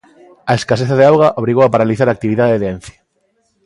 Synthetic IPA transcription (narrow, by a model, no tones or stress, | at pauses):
aeskaseθaðeawɣaʔoβɾiɣowapaɾaliθaɾak̚t̪iβiðaðeðeen̟θjḁ